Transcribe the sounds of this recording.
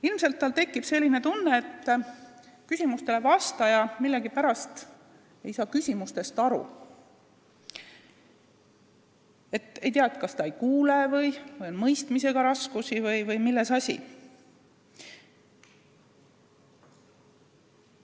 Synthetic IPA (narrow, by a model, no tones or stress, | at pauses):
ilmse̞lt̪ːɑlt̪e̞kˑːib̥se̞lʲːine̞t̪unːe̞ːt̪ː | kysʲimust̪e̞le̞vɑst̪ɑjɑmilːeɡipæɾɑst̪ | e̞jsɑːkysʲimust̪e̞st̪ɑɾṵ | e̞t̪ːˑe̞jt̪iɑet̪̚ˑkɑst̪ɑejkuːlevɤjvɤjo̞nmɤjst̪mise̞ɡ̥ɑɾɑskusivɤjvɤjmilːe̞sɑsʲḭ